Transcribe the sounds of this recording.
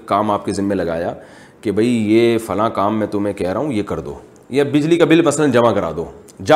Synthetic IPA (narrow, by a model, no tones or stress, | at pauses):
kaːmaːp̚kezɪnːẽlɐɡa̰ːjaː | kebʱɐijeːfɐlãkaːmːɛ̃ːt̪ʊmẽkɛɦɾaɦũjekɐɾd̪o̰ː | jabɪd͡ʒlikabɪlmɐslənd͡ʒɐmakɐɾa̰ːd̪oː | d͡ʒa